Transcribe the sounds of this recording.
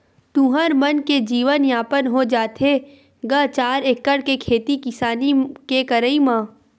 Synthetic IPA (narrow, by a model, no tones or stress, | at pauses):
t̪ũɦəɾmənked͡ʒiːʋənjaːpənɦod͡ʒaːt̪ʰe | ɡət͡ʃaːɾekːəɽkekʰeːt̪ikɪsaːnikekəɾəimãː